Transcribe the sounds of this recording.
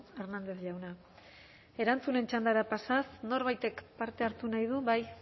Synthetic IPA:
e̞ɾnand̪e̞θʎawna | e̞ɾant͡sune̞nt͡ʃand̪aɾapasasno̞ɾβajt̪e̞kpaɾt̪e̞aɾt̪unajðuβaj

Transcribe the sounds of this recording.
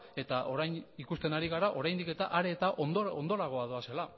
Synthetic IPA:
e̞t̪aʔo̞ɾajnikust̪e̞naɾiɣaɾaʔo̞ɾajnd̪ike̞t̪aʔaɾe̞ːt̪aʔond̪oo̞nd̪oɾaɣ̞o̞aðoase̞la

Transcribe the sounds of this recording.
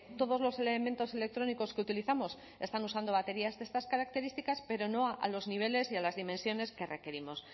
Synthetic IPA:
t̪o̞ð̞o̞zlo̞se̞lemẽnt̪o̞se̞le̞k̚t̪ɾo̞niko̞skeut̪iliθamo̞s | e̞st̪anusand̪o̞βat̪e̞ɾiazðe̞st̪askaɾak̚t̪e̞ɾist̪ikaspe̞ɾo̞no̞aʔa̰lo̞zniβ̞e̞le̞sialazðimensjo̞ne̞ske̞re̞ke̞ɾimo̞s

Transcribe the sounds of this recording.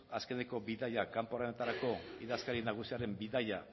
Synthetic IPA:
aske̞ne̞ko̞biðajakampoɾanet̪aɾako̞iðaskaɾinaɣ̞usiaɾe̞mbiðaja

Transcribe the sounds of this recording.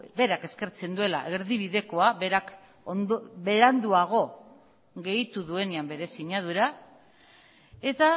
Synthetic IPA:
be̞ɾake̞ske̞ɾt͡se̞nd̪ue̞la̰ʔe̞ɾðiβ̞iðe̞ko̞aβe̞ɾak | nbe̞ɾand̪uaɣ̞o̞ | ɣe̞jt̪uðue̞neambe̞ɾe̞siɲað̞uɾa | e̞t̪a

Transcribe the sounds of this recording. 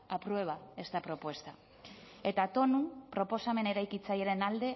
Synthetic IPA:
apɾuwe̞β̞ae̞st̪apɾo̞pwe̞st̪a | e̞t̪at̪o̞nupɾo̞po̞same̞ne̞ɾajkit͡sajeɾe̞nald̪e̞

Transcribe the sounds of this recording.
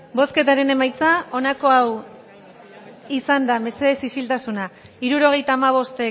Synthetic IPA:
bo̞ske̞t̪aɾe̞ne̞majt͡sao̞nako̞aw | isand̪ame̞se̞ð̞e̞sisilt̪asuna | iɾuɾo̞ɣ̞e̞jt̪aːmaβ̞o̞st̪e̞

